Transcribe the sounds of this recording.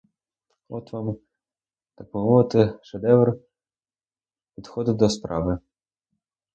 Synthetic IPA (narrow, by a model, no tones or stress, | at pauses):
ɔt̪ʋɑm | t̪ɐk̚bɔmɔɪt̪ɪʂɛd̪ɛvr | pʲid̪xɔd̪ɪd̪ɔspɾɑ̰ʋɪ